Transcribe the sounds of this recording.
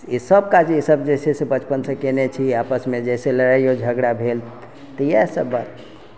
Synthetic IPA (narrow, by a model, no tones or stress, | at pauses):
isəbkad͡ʒisəbd͡ʒesesebət͡ʃpənsə̃kenet͡ʃʰiapəsmed͡ʒeseləɾaijod͡ʒʱəɡɽabʱel | t̪əjasəbːat̪